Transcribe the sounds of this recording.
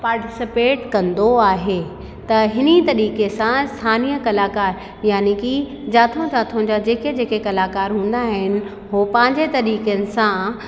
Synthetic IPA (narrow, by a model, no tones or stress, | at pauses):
paːɾʈɪsɪpeːʈkɐ̃nd̪oaːɦeː | t̪ɐɦɪnit̪ɐɾiːkesãɪst̪ʰaːniːjəkɐlaːkaːɾ | jaːniki | d͡ʑaːt̪ʰõd͡ʑaːt̪ʰõd͡ʑad͡ʑeːked͡ʑeːkekɐlaːkaːɾɦũːn̆d̪aɦɪnɪ̆ | ɦoːpɐ̃ɦɪ̃ɲd͡ʑet̪ɐɾiːkənɪ̆sã